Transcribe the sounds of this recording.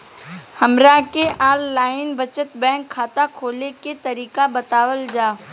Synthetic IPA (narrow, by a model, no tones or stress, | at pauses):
hɐmɾakeʔaːlːaːɪnbət͡ʃət̪bɛ̃ːŋkʰːaːt̪akʰoːleket̪ɐɾiːkabɐt̪aːwəld͡ʒaː